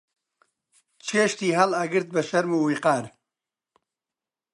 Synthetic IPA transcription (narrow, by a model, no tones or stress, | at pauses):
t͡ʃʰeːʃt̪iːɦɐlɐɡɨɾt̪̚bɐʃɐɾmuːwiqɑːɾ